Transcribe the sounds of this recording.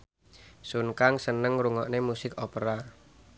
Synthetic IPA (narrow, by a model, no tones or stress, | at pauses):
sunkaŋsənəŋɾuŋɔʔnemusɪkɔpəɾa